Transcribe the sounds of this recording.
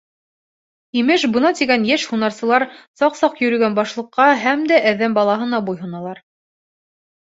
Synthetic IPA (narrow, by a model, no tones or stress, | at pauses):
imɘʃbɤ̆nɑt̪iɡænjæʃhunɑɾsɤ̆lˠɑɾsɑqsɑqjɵ̆ɾɵ̆ɡænbɑʃlˠɤ̆qːɑɦæmd̪æʔæðæmbɑlˠɑɦɤ̆nɑbujɦɤ̆nɑlˠɑɾ